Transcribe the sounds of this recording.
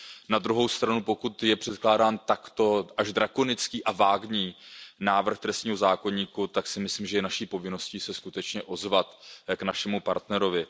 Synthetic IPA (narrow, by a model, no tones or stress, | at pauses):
nad̪ɾuɦo̞wst̪ɾanupo̞kut̪jɛpr̝̥ɛt̪klaːdaːnt̪akt̪o̞ʔaʒdɾako̞nɪt͡skiːʔavaːɡɲiːnaːvr̩xt̪ɾɛst̪ɲiːɦo̞zaːko̞ɲiːkut̪aksɪmɪsliːmʒɛjɛnaʃiːpo̞vɪno̞sciːsɛskut̪ɛt͡ʃɲɛʔo̞zvat̪knaʃɛmupa̰ɾt̪nɛɾo̞vɪ